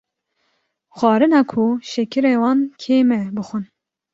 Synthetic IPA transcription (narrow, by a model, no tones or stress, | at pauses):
xʷɑːɾɨnɑːkʰuʃɛkʰɨɾeːwɑːnkʰeːmɛbɨxʷɨn